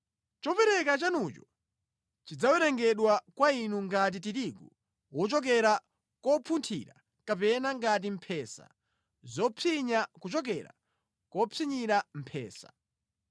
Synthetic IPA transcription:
t͡ʃɔpɛɾɛkat͡ʃanut͡ʃɔ | t͡ʃid͡zawɛɾɛŋɡɛɗwakwainuŋɡat̬it̬iɾiɡu | wɔt͡ʃɔk̬ɛɾa | kɔpʰuntʰḭɾa̰ | kapɛnaŋɡat̬im̩pʰɛːsa̰ | zɔpʰiɲakut͡ʃɔk̬ɛɾa̰ | kɔpʰiɲiɾam̩pʰɛ̰ːsḁ̰

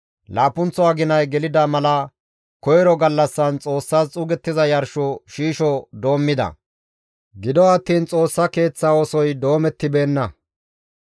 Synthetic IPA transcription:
laːpʊnt͡sɔaːɡɪnɐjɡɛlɪd̪ɐmɐlɐ | kɔjɛɾɔɡɐlːɐsːɐnt͡sʼo̞ːsːaːst͡sʼʊɡɛt̪ːɪzɐjɐɾʃɔʃiːʃɔd̪o̞ːmːɪd̪ɐ̰ | ɡɪd̪ɔɐt̪ːiːnt͡sʼo̞ːsːɐke̞ːt͡sːaːɔsɔjd̪o̞ːmɛt̪ːɪbe̞ːnːɐ

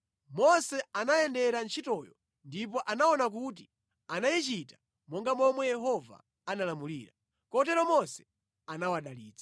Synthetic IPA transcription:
mɔsɛanajɛndɛɾant͡ʃʰitɔjɔ̰ | ndip̬ɔʔanaɔnak̬ut̬i | anajit͡ʃitḁ | mɔŋɡamɔmwɛjɛɦɔva̰ | analamuliːɾa | kɔt̬ɛɾɔmɔsɛ̥ | anawaɗaliːd͡zḁ

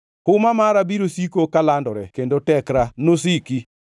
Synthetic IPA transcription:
hʊmamaɾabiɾosikokalandɔɾɛkendotɛkɾanos̬iki

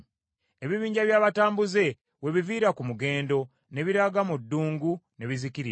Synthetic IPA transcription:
e̞βiβiːɲɟaβjaːβataːmbuze̞ | we̞βiviːɾakumuɡe̞ːndo̞ | ne̞βiɾaɡamudːuːŋɡune̞βizikiɾi

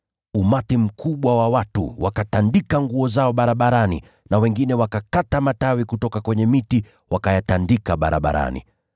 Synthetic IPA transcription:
umatim̩kʰuɓwawawatṵwakatandikaŋɡuɔzaɔɓaɾaɓaɾanḭ | nawɛŋɡinɛwakakatamatawikutɔkakwɛɲɛmiti | wakajatandikaɓaɾa̰ɓa̰ɾa̰nḭ

